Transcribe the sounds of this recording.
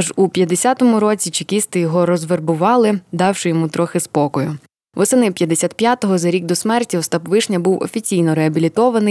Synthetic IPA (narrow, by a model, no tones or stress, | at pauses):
ʒupʲjɐd̪ːesʲat̪ɔmʊɾɔt͡sʲit͡ʃikʲist̪ɪjɔɦɔɾɔzʋerbʊʋɑlˠɪd̪ɑwʃɪjɔmut̪ɾɔxɪspɔkɔjʊ | ʋɔsɪnɪpʲjɐd̪ːesʲat̪̚pʲjat̪ɔɦɔzɐɾʲik̚d̪ɔsmɛrtʲiɔst̪ɑpʋɪʃnʲɐbuwɔ̰fʲit͡sʲijnɔɾeɐbʲilʲit̪ɔʋɐnɪ